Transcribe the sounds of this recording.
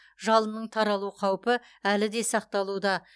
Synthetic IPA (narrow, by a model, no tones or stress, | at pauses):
ʒɑlˠənəɴt̪ʰɑɾɑlˠuqʰɑwpə | ælɪd̪e̞sɑq̚t̪ɑlˠud̪ɑ